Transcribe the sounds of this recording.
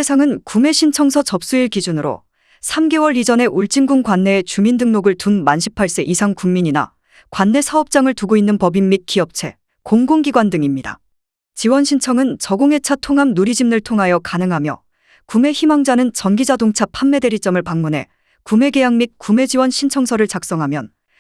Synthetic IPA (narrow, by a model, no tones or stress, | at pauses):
esʰaŋɯnkume̞ɕʰint͡ɕʰʌŋsʰʌt͡ɕʌp̚s͈uiɭkid͡ʑunɯɾo̰ | sʰamɡe̞wʌɾid͡ʑʌne̞ʔuɭt͡ɕ͈iŋɡuŋɡwanːe̞ːt͡ɕumindɯŋnoɡɯɭtunmanɕʰi̥pʰaɭs͈e̞ʔisʰaŋkuŋmiɲina̰ | kwanːe̞sʰaʌp̚t͡ɕ͈aŋɯɭtuɡoinːɯnpʌbimːit̚k͈iʌp̚t͡ɕʰe̞ | koŋɡoŋɡiɡwandɯŋimɲida̰ | t͡ɕiwʌnɕʰint͡ɕʰʌŋɯnt͡ɕʌɡoŋɦe̞t͡ɕʰatʰoŋɦamnuɾid͡ʑimnɯɭtʰoŋɦajʌkanɯŋɦamjʌ̰ | kume̞çimaŋd͡ʑanɯnt͡ɕʌnɡid͡ʑadoŋt͡ɕʰapʰamːe̞de̞ɾit͡ɕ͈ʌmɯɭpaŋmunɦe̞̰ | kume̞ɡe̞jaŋmit̚k͈ume̞d͡ʑiwʌnɕʰint͡ɕʰʌŋsʰʌɾɯɭt͡ɕak̚s͈ʌŋɦamjʌn